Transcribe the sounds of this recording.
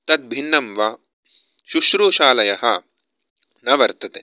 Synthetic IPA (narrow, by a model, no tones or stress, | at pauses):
t̪ɐt̪̚bʱinːɐmʋɐ | ʃuʃɾuːʃaːlɐjɐɦɐ | nɐʋɐɾt̪ɐt̪e